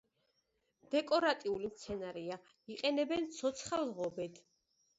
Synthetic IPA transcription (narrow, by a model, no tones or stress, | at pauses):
d̪̥ɛkʼɔɾat̪ʼiulimt̪sʰɛnaɾia | iqʼɛnɛbɛnt̪sʰɔt̪sʰχalʁɔbɛd̪ʰ